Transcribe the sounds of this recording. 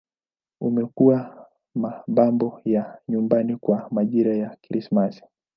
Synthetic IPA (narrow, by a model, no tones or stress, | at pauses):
umɛkuwa | maɓambɔjaɲumbanikwamaʄiɾajakɾismasi̥